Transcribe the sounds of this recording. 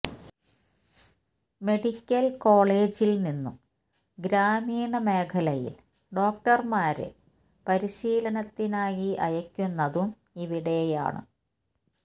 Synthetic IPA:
me̞ɽikʲːɐlko̞ːɭeːd͡ʑilninːṵm | ɡɾaːmiːɳɐme̞ːkʰɐlɐjḭl | ɖo̞ːk̚ʈɐrmaːɾɨ̰ | pɐɾiɕiːlɐnɐt̪ːinaːjiɐ̰jɐkʲːunːɐðum | iʋiɽe̞ja̰ːɳɨ̰

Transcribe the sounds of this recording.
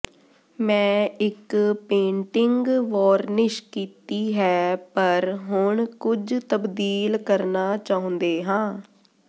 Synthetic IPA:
mɛ̃ːɪkpẽːɳʈɪŋɡʋɔːɾnɪʃkiːt̪iːɦɛːpəɾɦʊɳkʊd͡ʒt̪əbd̪iːlkəɾnaːt͡ʃaːʊ̃nd̪eːɦãː

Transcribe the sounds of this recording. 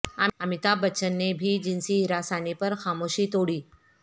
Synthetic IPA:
aamit̪abət͡ʃənːebʱid͡ʒɪnsiɦiɾasanipəɾxamoʃit̪oɽiː

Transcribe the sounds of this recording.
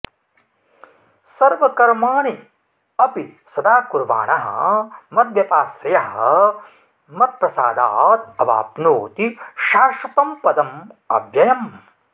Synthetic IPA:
sɐɾʋɐkɐɾmaːɳi | ɐpisɐd̪aːkuɾʋa̰ːɳɐɦɐ̰mɐt̪̚ʋjɐpaːsɾɐjɐɦɐ̰ | mɐt̪̚pɾɐsaːd̪aːt̪̚ɐʋa̰ːpnoːt̪iʃaːʂɐp̪ɐmpɐd̪ɐmɐ̰ʋjɐjɐm

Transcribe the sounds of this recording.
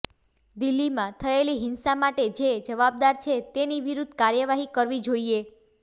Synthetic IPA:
d̪ilːimãt̪ʰəeliɦɪnsamaʈed͡ʒed͡ʒəʋab̚d̪aɾt͡ʃʰet̪eniʋiɾud̪ʱkaɾjəʋaɦikəɾʋid͡ʒoie

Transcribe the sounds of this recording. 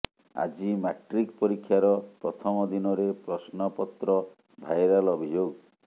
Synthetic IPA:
a̰d͡ʒimaʈɾikpɔɾikʰːjaɾɔpɾɔt̪ʰɔmɔd̪inɔɾepɾɔsnɔpɔt̪ɾɔ | bʱajɾalɔbʱid͡ʒoɡ

